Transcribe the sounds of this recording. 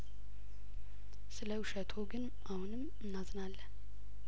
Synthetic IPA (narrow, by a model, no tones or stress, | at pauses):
sɨləuʃət̪ʰoɡɨn | ʔahunɨm | ɨnːazɨnalːən